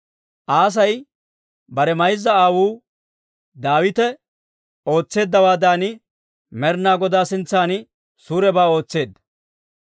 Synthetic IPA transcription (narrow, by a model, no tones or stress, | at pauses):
ʔaːs̬ɐj | bɐɾɛmɐjzːɐaːwuː | d̪aːwɪt̪ɛ | o̞ːt͡sːe̞ːd̪ːɐwaːd̪aːnɪ | mɛɾnaːɡɔd̪aːsɪnt͡sːaːnɪ | suːɾɛbaːo̞ːt͡sːe̞ːd̪ːɐ